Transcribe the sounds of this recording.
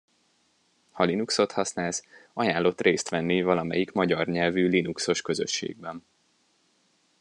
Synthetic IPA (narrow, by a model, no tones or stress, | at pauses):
hɒlinukso̞t̪hɒsnaːlsɒjaːnlːo̞t̪reːst̪ʋɛnːivɒlɒmɛjikmɒɟɒrɲɛlvyːlinukso̞ʃkø̞zøʃːḛːɡ̚bɛn